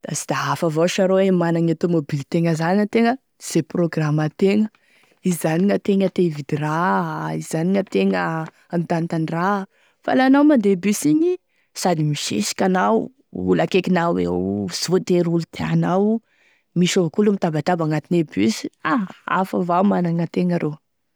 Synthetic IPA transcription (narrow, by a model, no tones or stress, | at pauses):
d̪̥a̰si̥d̪aafavaʃaɾoemanaŋet̪omobilt̪eŋəzaniət̪eŋə | z̥eproɡramat̪eŋə | izaniŋət̪eŋət̪evid̪iɾaiz̥aniŋət̪eŋə | anit̪ant̪anra | fa̰lanawmand̪ebysiɲi | sad̪imiʃḛsi̥kʲanaw | ṵlakekinawwḛz̥ot̪eɾulut̪ʰeanaw | miʃovəkulumit̪abaʈ͡ʂabaŋat̪inebysi̥aa̰favamanaŋət̪eŋəɾʔo